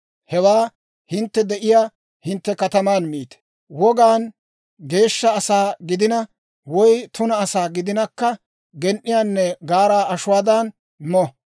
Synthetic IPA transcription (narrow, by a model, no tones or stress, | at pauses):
hɛwaː | hɪnt̪ːɛd̪ɛʔɪjaː | hɪnt̪ːɛkɐt̪ɐmaːnmiːt̪ɛ̥ | wɔɡaːn | ɡe̞ːʃːɐːsaːɡɪd̪ɪnɐ | wɔjt̪ʊnɐːsaːɡɪd̪ɪnɐkːɐ | ɡɛnʔːɪjaːnːɛɡaːɾaːʔɐʃʊwaːd̪an | mɔ